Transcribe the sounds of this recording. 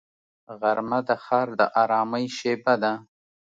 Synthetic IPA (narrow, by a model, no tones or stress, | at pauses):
ɣaɾmad̪əxɑːɾd̪əʔɑɾɑːməjʃebad̪a